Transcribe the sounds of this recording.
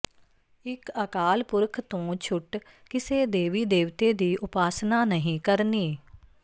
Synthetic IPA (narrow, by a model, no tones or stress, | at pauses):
ɪkəkaːlpʊɾkʰt̪õːt͡ʃʰʊʈ | kɪseːd̪eːʋiːd̪eːʋt̪eːd̪iːʔʊpaːsnaːnəɦĩːkəɾniː